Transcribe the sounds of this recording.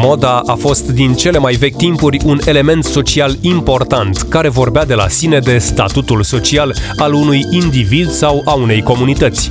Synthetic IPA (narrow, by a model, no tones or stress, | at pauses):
mo̞d̪aʔafo̞st̪d̪int͡ʃe̞le̞majve̞kʲt̪impurʲune̞le̞me̞nt̪so̞t͡ʃialimpo̞rt̪ant̪kaɾe̞vo̞rbead̪e̞la̰sine̞d̪e̞st̪at̪ut̪ulso̞t͡ʃialalunujind̪ivid̪sawaune̞jko̞munit̪ət̪sʲ